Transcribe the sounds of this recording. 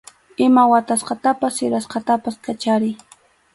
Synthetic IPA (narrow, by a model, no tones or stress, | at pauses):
ɪmawat̪asqɑt̪apasɪɾasqɑt̪apaskat͡ʃaɾɪj